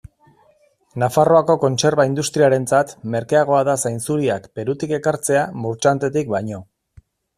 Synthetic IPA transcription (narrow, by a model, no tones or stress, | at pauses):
nafaro̞ako̞ko̞nt͡ʃe̞ɾβaind̪ust̪ɾiaɾe̞nt͡sat̪me̞ɾkeaɣ̞o̞aðasajnt͡suɾiakbe̞ɾut̪ike̞kaɾt͡se̞amuɾt͡ʃant̪e̞t̪ik̚bajɲo̞